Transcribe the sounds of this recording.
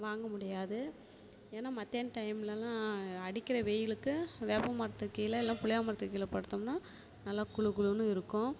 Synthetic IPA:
ʋaːŋɡɐmʊɽɪjaːðɯ | eːnːaːmɐt̪ːeːnʈɐɪmlɛlːãːɐɽɪkːɪɾɐʋeːjɪlɯkːɯʋeːpɐmɐɾɐt̪ːɯkːɐjɪlɐɪlːãːpʊɭɐjaːmɐɾɐt̪ːɯkːɐjɪlɐpɐɽɯt̪ːɐmnaː | nɐlːaːkʊɭɯkɯɭɯnːɯɪɾɯkːʊ̃

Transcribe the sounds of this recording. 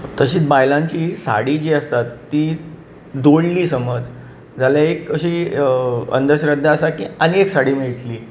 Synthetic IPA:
t̪əɕiːt͡sbajlãɲt͡ɕiːsa̰ɽiːd͡ʑiəst̪at̪ːiː | d̪oɽliːsəməd͡z | d͡zaljaekəɕiː | ə̰nd̪əɾɕɾəd̪ʱːaəsakḭənieksaɽiːmiɭʈliː

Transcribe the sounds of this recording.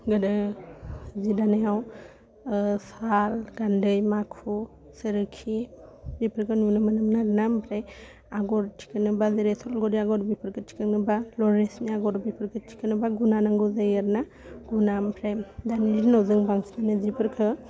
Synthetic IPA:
ɡɯdɯ | zidanajaw | salɡandɯjmakʰu | sɯɾɯkʰibipʰəɾkʰɯnunɯmənɯmnaɾnampʰɾe | aɡɔɾtʰi̥kɯnɯbazeɾesɔlɡɔdiaɡɔɾbipʰɯɾkʰɯtʰi̥kɯŋnɯbalɔɾesmiaɡɔɾbipʰɯɾkʰɯtʰi̥kɯnɯbaɡunanaŋɡuzajɯɾna | ɡ̥unampʰɾedaniliɾinawzɯŋbaŋsnanɯzipʰɯɾkʰɯ

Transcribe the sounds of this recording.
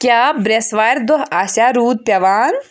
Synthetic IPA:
kjaːbɾesʋaːɾʲd̪oɦasaːɾuːd̪̚pʲjɐʋaːn

